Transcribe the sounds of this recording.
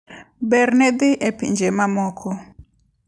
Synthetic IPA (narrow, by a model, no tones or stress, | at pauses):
bɛrnɛd̪ɪʔepḭɲd͡ʒemamɔkʰɔ